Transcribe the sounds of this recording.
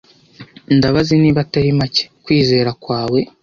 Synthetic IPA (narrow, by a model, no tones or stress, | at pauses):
ndaβaziniːβataɾimace̥kwiːze̞ːɾakwaːwe̞